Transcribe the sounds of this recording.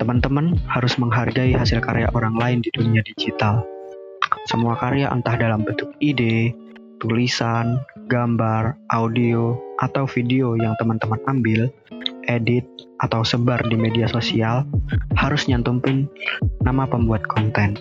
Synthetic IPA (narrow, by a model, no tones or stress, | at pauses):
t̪əmant̪əmanhaɾʊsməŋɦarɡaiɦasɪlkaɾea̰ʔoɾaŋlaɪndiduniadid͡ʒit̪al | səmuakaɾeaʔə̰nt̪ahdalambənt̪ʊk̚ide | t̪ulisanɡambarʔaudioʔat̪awfideojaŋt̪əmant̪əmanambɪl | ʔedɪt̪̚ʔat̪awsəbardimediasosialhaɾʊsɲant̪umpɪnːamapəmbuat̪̚kʰɔnt̪ɛn